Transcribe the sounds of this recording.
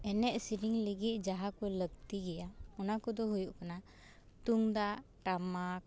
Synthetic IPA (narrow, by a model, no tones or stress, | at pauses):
ɛnɛʔsiɾiŋliɡit̪̚ˀd͡ʒaɦakɔləɡt̪iɡɛjaɔnakɔd̪ɔɦujuʔkana | t̪uŋd̪aʔʈamak̚